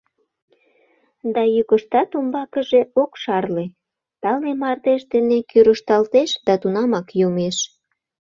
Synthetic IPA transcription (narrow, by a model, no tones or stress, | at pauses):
d̪ɑjykəʃt̪ɑt̪umbɑkəʒeokʃɑrle | t̪ɑlemɑrt̪eʃd̪enekyɾəʃt̪ɑlt̪eʃd̪ɑt̪unɑmɑkjomeʃ